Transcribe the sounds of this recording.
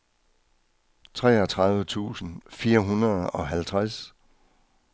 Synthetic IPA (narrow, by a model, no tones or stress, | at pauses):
t͡sʰʁɛ̰ːɒt͡sʰʁɑ̈ðˠʋət͡sʰṵːsn̩fiːɐɦunɐð̩ˠɒ̽ɦælt͡sʰʁas